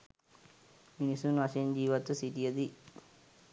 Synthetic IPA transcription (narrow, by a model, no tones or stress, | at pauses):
minisunɐʃend͡ʒiːʋɐt̪ːusiʈijɐd̪i